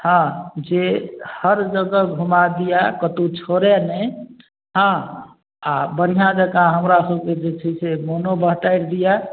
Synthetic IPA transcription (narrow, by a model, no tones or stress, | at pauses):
hãd͡ʒehəɾd͡ʒəɡəɡʱumad̪ijakət̪ut͡ʃʰoɾenɛ | ɦə̃ | abəɾijãd͡ʒəkãɦəmɾasəbked͡ʒet͡ʃʰəsemonobəɦʈaɪɾd̪ija